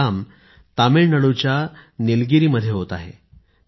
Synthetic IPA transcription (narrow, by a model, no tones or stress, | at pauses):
am | t̪ameɭnəɽut͡ɕjanilɡiɾiːməd̪ʱːjeɦot̪aɦḛ